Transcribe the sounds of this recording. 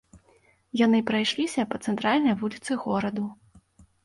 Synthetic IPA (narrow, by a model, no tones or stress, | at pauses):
janɨpɾajʂlʲisʲɐpɐt̪sɛnt̪ɾalʲnɐjvulʲit̪sɨɣɔɾɐd̪u